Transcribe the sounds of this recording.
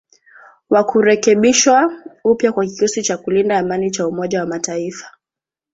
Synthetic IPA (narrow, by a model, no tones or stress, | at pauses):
wakuɾɛkɛɓiʃwaupjakwakiusit͡ʃakulindaːmanit͡ʃaumɔʄawamataifḁ